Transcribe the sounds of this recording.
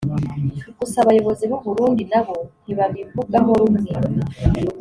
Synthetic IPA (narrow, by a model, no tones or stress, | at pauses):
ɡusaβajo̞βo̞ziβuβuɾuːndinaβoniβaβivuɡaɦoɾumŋe